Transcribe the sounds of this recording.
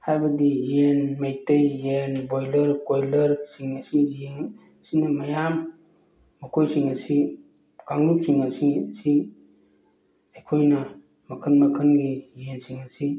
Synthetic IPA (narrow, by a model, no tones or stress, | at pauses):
hajbɐdijenmajtɐjːenbojlɐɾkojlɐɾsiŋɐsijeŋ | sinɐmɐjamː | ɐkʰojsiŋɐsi | kaŋnupsiŋasisi | ɐjkʰojnɐ | mɐkʰənmɐkʰənɡijensiŋasi